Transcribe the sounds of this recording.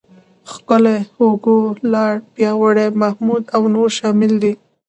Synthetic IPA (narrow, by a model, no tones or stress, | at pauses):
xkʊleoɡolɑɽpjɑwaɽemahmud̪awnoɾʃɑmɪld̪i